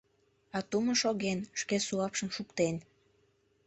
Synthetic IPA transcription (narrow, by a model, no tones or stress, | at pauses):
ɑt̪uməʃoɣenʃkesuɑpʃəmʃukt̪en